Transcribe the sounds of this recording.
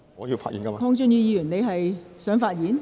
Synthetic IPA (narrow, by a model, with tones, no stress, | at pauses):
ɔ˨˧˦jiː˧wfa̰ː˧t̚jḭː˨˦nkɐ˦m˧kʰɔː˧ŋt͡ʃʊ˧ŋjyː˧jiː˧jy˨˩nne˨˧jɦɐ˨jsœː˨˥ŋfaː˧t̚jiː˨˥n